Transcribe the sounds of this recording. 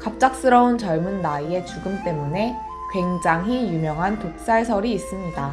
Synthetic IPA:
kap̚t͡ɕ͈ak̚s͈ɯɾʌunt͡ɕʌɭmunːaie̞t͡ɕuɡɯmt͈e̞mune̞ | kwe̞ŋd͡ʑaŋɦijumjʌŋɦantok̚s͈aɭsʰʌɾiːs͈ɯmɲida

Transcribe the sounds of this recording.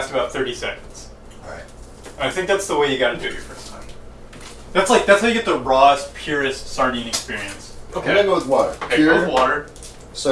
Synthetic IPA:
æskəbaʊt̪̚θɜ˞ɾisɛkn̩dz̥ | aɪt̚ | ʔɨ̃naɪθɪ̃ŋk̚ðætsðəweɪjɨɡɑɾɨdʉɨvjə˞fɜ˞stʰãɪ̃m | ðætslaɪk̚ðætshaʊjɨɡɛt̪̚ðəɹɔz̥pʰj̥ʊɹɨstsɑɹɾĩnɨkspɪɹiɨ̃nsʔoʊkʰeɪ̃ɡoʊwðwɔɾə̰˞oʊwɨðwɔɾə˞ | s

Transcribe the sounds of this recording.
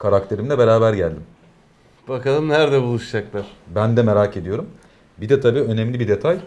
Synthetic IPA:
kʰaɾak̚t̪ʰe̞ɾimlʲɛbeɾaːbæɾɟælʲd̪im | b̥akalˠɯmnæɾd̪ɛbulˠuʃd͡ʒaklˠaɾ̥bænd̪ɛme̞ɾaːcʰe̞d̪ijo̞ɾum | bid̪ɛt̪ʰabiːø̞nemlʲibid̪e̞t̪ʰaj

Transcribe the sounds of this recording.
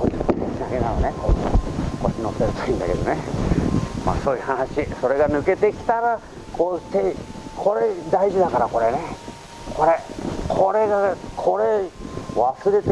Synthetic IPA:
koieinaɡenanone | kot͡ɕːinot̪ːeɾɯ̟t̪oĩnd̪a̰ke̞d̪one | ma̰soːihanaɕiso̞ɾe̞ɡanɯ̟ke̞t̪e̞kʲi̥t̪aɾa | kʰot̪ekʰo̞ɾe̞d̪aiʑid̪akaɾakoɾe̞ne | kʰo̞ɾekʰo̞ɾe̞ɡakʰo̞ɾeβasɨɾe̞t̪

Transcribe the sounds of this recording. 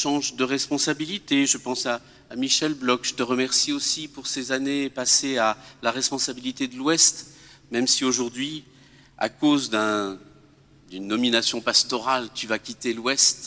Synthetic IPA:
ʃɑ̃ʒd̪əʁɛspɔ̃sabilit̪eʒəpɑ̃saː | miʃɛlblɔkʒ̥ət̪əʁəmɛʁsiosipuʁsezanepasealaʁɛspɔ̃sabilit̪ed̪əlwɛst̪mɛmsioʒuʁd̪ɥi | a̰kozd̪ɛ̃ | d̪ynːɔminasjɔ̃past̪ɔʁalt̪yvakʲit̪elwɛst̪

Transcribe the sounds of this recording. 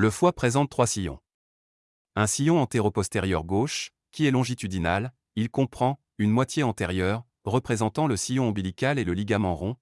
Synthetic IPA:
ləfwapχezɑ̃t̪ːχwasijɔ̰̃ | ɛ̃sijɔ̃ɑ̃t̪eʁɔpɔst̪eʁjœ̰ʁɡoʃ | kʲiɛlɔ̃ʒit̪yd̪inal | ilkɔ̃pχɑ̃ | ynmwat̪jeɑ̃t̪ɛʁjœːʁː | əpχezɑ̃t̪ɑ̃ləsijɔ̃ɑ̃bilikaleləliɡamɑ̃ʁɔ̃

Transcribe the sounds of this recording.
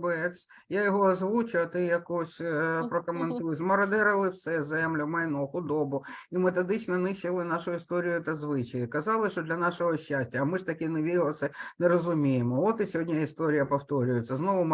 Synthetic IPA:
bɛsʲ | jajɔɦɔɐzʋut͡ʃʊɐt̪ɪjɐkɔsʲpɾɔkɔment̪ujʊtʲmɔɾɐd̪ɛɾɐlˠɪwsɛzɛmlʲʊmɐjnɔxʊd̪ɔbʊimet̪ɔd̪ɪt͡ʃnɔnɪʃt͡ʃɪlˠɪnɑʃʊjist̪ɔɾʲijʊt̪ɐzʋɪt͡ʃɪjɪkɐzɑlˠɪʃt͡ʃɔd̪lʲɐnɑʃɔɦɔʃʲt͡ʃːasʲtʲɐːmɪʐt̪ɐkʲɪneʋʲiɾʲɪlˠɐsɐneɾɔzʊmʲijemɔɔt̪ɪsʲɔɦɔdʲnʲɐist̪ɔɾʲɪjɐpɔwt̪ɔɾʲʊjʊt͡sʲːɐznɔʋʊm

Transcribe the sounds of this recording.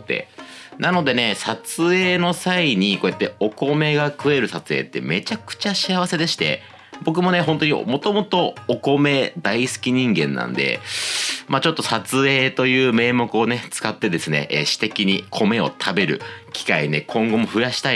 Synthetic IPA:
t̪ːḛnano̞d̪e̞ne̞sat͡sɨe̞ːno̞saiɲ̟iko̞ːjat̪ːe̞o̞ko̞me̞ɡakɯ̟e̞ɾɯ̟sat͡sɨe̞̰ːt̪ːe̞̰me̞t͡ɕakɯ̟̥t͡ɕaɕiaβase̞d̪e̞ɕi̥t̪e̞̰ | bo̞k̬ɯ̟mo̞ne̞ɦõ̞nt̪oɲ̟ḭmo̞t̪o̞mo̞t̪o̞ːko̞me̞d̪aisɨ̥kʲiɲ̟ĩŋɡẽ̞̰nːã̰nd̪e̞̰ | mat͡ɕo̞t̪ːo̞sat͡sɨe̞ːt̪o̞jɯ̟ːme̞ːmo̞kɯ̟o̞ne̞t͡sɨ̥kat̪ːe̞d̪e̞sɨne̞̰ʔɕi̥t̪e̞kʲiɲ̟ikʰo̞me̞o̞̰t̪ʰabe̞ɾɯ̟̰kʲi̥kaine̞kʰõ̞ŋɡo̞mo̞ɸɯ̟jaɕi̥t̪a

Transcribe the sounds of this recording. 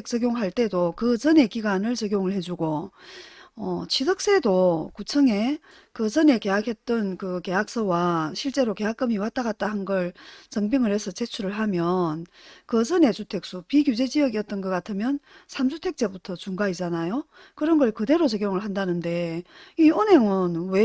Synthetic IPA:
ek̚t͡ɕ͈ʌɡjoŋɦaɭt͈e̞dokɯd͡ʑʌne̞kiɡwanɯɭt͡ɕʌɡjoŋɯɭhe̞d͡ʑuɡo | ʌt͡ɕʰisʰʌk̚s͈e̞dokut͡ɕʰʌŋe̞ | kɯd͡ʑʌne̞ke̞akʰe̞t̚t͈ʌnkɯke̞ak̚s͈ʌwaɕʰiɭt͡ɕ͈e̞ɾoke̞ɦak͈ɯmiwat͈̚aɡat̚t͈ahanɡʌɭt͡ɕʌŋbiŋɯɾhe̞sʰʌt͡ɕe̞t͡ɕʰuɾɯɭɦamjʌnkɯd͡ʑʌne̞t͡ɕutʰe̞k̚s͈upikjud͡ʑe̞d͡ʑijʌɡiʌt̚t͈ʌnɡʌk͈atʰɯmjʌnsʰamsʰutʰe̞k̚t͡ɕ͈e̞butʰʌt͡ɕuŋɡaid͡ʑanajo | kɯɾʌnɡʌɭkɯde̞ɾot͡ɕʌɡjoŋɯɭɦandanɯnde̞ionɦe̞ŋɯnwe

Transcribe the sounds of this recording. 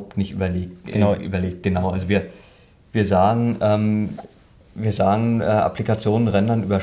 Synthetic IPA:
hʊp̚tnɪçtʔy̰ːbɐleːk̚tʔy̰ːbɐleːk̚t̚ɡ̥ənaʊʔalzoviːɐ | viːɐzaːɡŋ̩ʔɛːm | viːɐzaːɡŋ̩ɛːʔa̰plikat͡sjoːnənʁɛndɐnʔyːbɐ

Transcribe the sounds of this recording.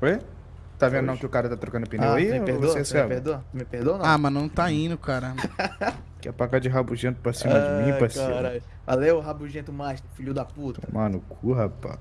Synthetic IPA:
foj | t̪avẽnd̪ʊnɐ̃w̃kɪʊkaɾɐt̪at̪ɾokɐ̃ʊpinẽwaimehvoõseesɛbpehd̪omɪpehd̪õñamɐnɐ̃w̃t̪aĩnd̪ʊkaɾɐ | kɛ̰pakad͡ʒɪɦabuʒẽnt̪ʊpɾasĩmɐaɪmĩpɾasaiɾaʎ | valewɦabuʒẽt̪ʊmaʃt̪fiʎʊd̪aput̪ɐmɐ̃nʊkʰuɦapa̰

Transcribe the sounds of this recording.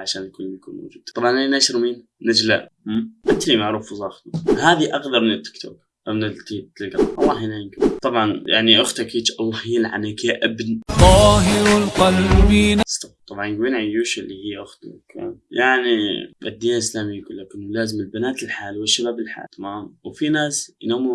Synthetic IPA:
ʕaʃaːnkʊlːmjakuːnma̰wd͡ʒuːd̪t̪ˤɑbˤʕɑnanaʃɾmiːn | nad͡ʒla̰ʔ | hʔɪt̪ɾimaʕɾuːfzˤɑːxnuhaːðiʔɑɡd̪ɑɾˤmɪnɪt̪ːɪ̥kt̪ʰṵk | ʔamnat̪it̪lɡaˤʔɑlˤːɑːhinajɪnɡut̪ˤɑbʕɑnja̰ʕniʔʊxt̪akiːt͡ʃʔɑlˤːɑhiːlʕa̰nakaʔabntˤːɑːɦiwlqɑlbiːnst̪aft̪ˤɑbʕɑnɡwiːnʕajːuːʃɪlːihiːʔʊxt̪akjaʕniba̰d̪ːiːnʔɪslaːmiɡʊlːakʊnmʊlaːzɪmɪlbanaːt̪ɪlħaːlwɪʃːabaːbɪlħa̰ːt̪amaːmwfinaːsjnoːm

